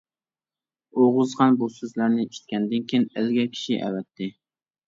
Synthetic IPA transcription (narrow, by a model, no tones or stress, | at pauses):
oʁʊzʁɑnbusøzlæɾnɪiʃt̪̚kʲɛnd̪ɪnkʲijnɪlɡʲɛkʲʰi̥ʃiʔɛ̰vɛt̪ʰːɪ